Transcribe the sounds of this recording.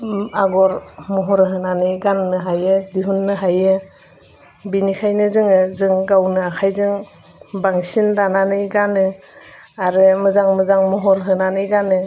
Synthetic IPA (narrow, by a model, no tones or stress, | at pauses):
aɡɔɾmɔɦɔɾɦɯnanɯjɡanːɯɦajɯdiɦunːɯɦajɯ | binikʰajnɯzɯŋɯzɯŋɡawnɯakʰajzɯŋ | baŋsindananɯjɡanɯ | aɾɯmɯzaŋmɯzaŋmɔɦɔɾɦɯnanɯjɡanɯ